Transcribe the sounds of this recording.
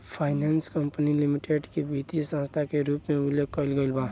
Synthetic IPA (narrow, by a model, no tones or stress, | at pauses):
pʰaːɪnaːnskəmpənilɪmiʈeɖkebʱit̪isãːst̪ʰakeɾuːpmẽʊloɡ̚kəlɡəɪlbaː